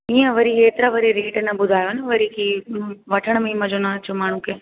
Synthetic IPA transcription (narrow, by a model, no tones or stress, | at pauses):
ĩːãʋəɾiɦeːt̪ɾaʋəɾiɾeːʈnãbʊd̪ʱaːjoneʋəɾikiʋəʈʰəɳ̃miimɐ̃d͡ʒonat͡ʃʰomaːɳ̤ũke